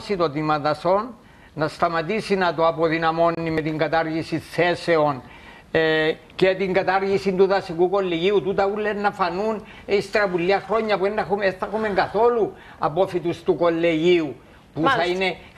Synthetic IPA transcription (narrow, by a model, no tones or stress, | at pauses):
sit̪ot̪imɐt̪ɐso̞nː | ɐst̪ɐmɐt̪isinɐt̪oɐpo̞ðinɐmo̞nːime̞t̪iŋɡɐt̪aɾʝisiθe̞se̞o̞n | cet̪iŋɡɐt̪aɾʝisint̪uðɐsikuko̞lːeʝiut̪ut̪ɐulːenːɐfɐnun | ist̪ɾɐpulːiɐxɾo̞ɲːɐpuenːexumeθɐxume̞ŋɡɐθo̞lu | ɐ̰po̞fit̪ust̪uko̞lːeʝiu | puθɐine̞